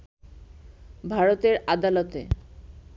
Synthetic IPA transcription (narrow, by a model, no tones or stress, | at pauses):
bʱaɾot̪eɾad̪alot̪ḛ